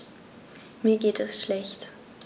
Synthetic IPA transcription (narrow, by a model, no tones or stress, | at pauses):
miːɐɡeːtɛsʃlɛçt